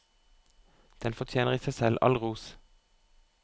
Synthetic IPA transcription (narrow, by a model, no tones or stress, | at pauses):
d̪̥ɛnfɔt̪ʰjeːnəʁiːsæɪsɛlʔɑ̰lʁuːs